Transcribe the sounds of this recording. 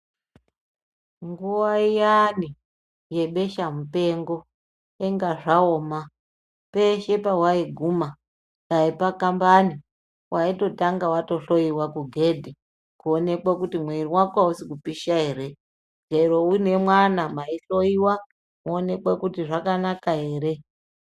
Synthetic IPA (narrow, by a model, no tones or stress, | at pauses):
ŋɡuwaijani | je̞ɓe̞ʃamupe̞ŋɡo̞ | eŋɡaʐaoːma | pe̞ʃepawaiɡʱuma | kaipakambani | wʔaito̞taŋɡawato̞ɬo̞iwakuɡʱe̞dʱi | kuone̞kwakutimwerimwakwausikupiʃaɦe̞ːɾe̞ | d͡ʒeɾo̞une̞mwanamaiɬo̞iwa | muone̞kwakutiʐakanakaɦe̞ːɾe̞